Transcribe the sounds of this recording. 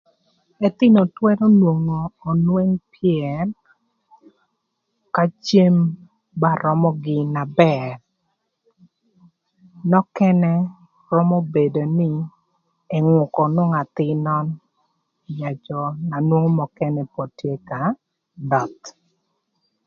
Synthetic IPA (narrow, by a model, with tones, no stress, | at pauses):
ɛ˨t̪ɪ˦no˨twɛ˦ɾɔ˦nwo˨ŋoː˨nwe˦ŋpʰɪɛ˨r | ka˦t͡ʃe˦m | ba˦ɾɔ˦mɔ˦ɡɪ˨na˨bɛ˨r | nɔ˦kɛ˦nɛ˦ | ɾɔ˦mɔ˦be˨do˨nɪ˦ | ɛ˨ŋʊ˨kɔ˨nʊ˦ŋa˨t̪ɪ˦nɔ˦n | ja˨t͡ʃɔ˨na˨nwo˦ŋ˦mɔ˨kɛ˦nɛ˨po˨tje˦ka˨ | dɔ˨t̪